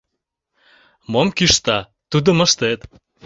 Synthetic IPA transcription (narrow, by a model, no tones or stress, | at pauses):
momkyʃt̪ɑ | t̪ud̪ə̆mə̆ʃt̪et̪